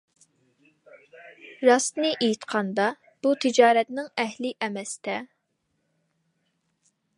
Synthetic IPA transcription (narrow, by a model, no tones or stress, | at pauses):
ɾɑst̪nɨʔejit̪qʰɑnd̪ɑ | b̥ut̪ʰɪd͡ʒɑːɾɛt̪nɪŋɛhlɪʔɛmɛst̪ɛ